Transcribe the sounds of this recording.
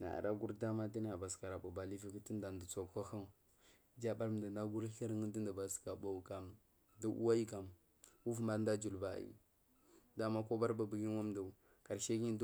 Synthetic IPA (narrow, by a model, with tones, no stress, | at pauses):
na̰˨a̰˨ɾa˦ɡu˦ɾda˦ma˦di˦ni˦a˨ba˨ska˨ɾa˨bu˨ba˨li˦vi˦ki˦ti˦nda˨ndə˨t͡so˨ka˦xa˦˨ | d͡ʒa˦ba˦ɾm˨da˨nda˦ɡu˦ɾɬə˦ɾŋə˦di˦nda˨ba˨ska˨ba˦˨ka˨m | da˨ʔṵ˦wa˦i˦ka˨m | u˦fma˨˦nda˦d͡ʒu˨lba̰˨ḭ˨ | da˨˦ma˦ko˦ba˦ɾba˨bi˨ɡi˦n˦wa˦mda˨ | ka˨ɾʃe˦ɡi˦d